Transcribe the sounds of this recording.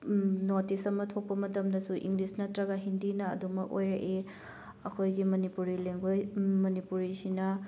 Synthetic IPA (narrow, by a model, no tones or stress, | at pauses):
noɾtisɐmɐtʰok̚pɐmɐtɐmdɐsuʔḭŋɡlisnɐtɾɐɡaɦindinɐɐ̰dumɐko̰jɾɐʔe | ɐkʰojɡimɐnipuɾileŋɡojmɐnipuɾisinɐ